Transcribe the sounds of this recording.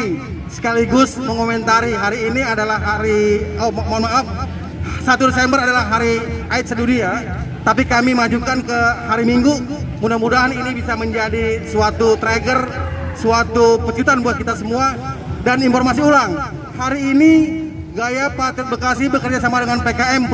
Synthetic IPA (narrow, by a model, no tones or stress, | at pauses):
sə̥kaliɡʊsməŋkomɛnt̪aɾiɦaɾiːniadalahɦaɾiamanmalam | sat̪uɾəsambəɾadalahɦaɾiʔaɪt̪̚sədudiat̪apikamimad͡ʒukankəhaɾimiŋɡu | mudahmudaɦaninibisaməɲd͡ʒadisuat̪ut̪ɾeɡərsuat̪upət͡ʃut̪anbuat̪̚kit̪asəmuadaninfɔrmas̬iulaŋ | haɾiːni | ɡajapat̪ət̪̚bəkasihbəkərd͡ʒasamadəŋanpekaɛm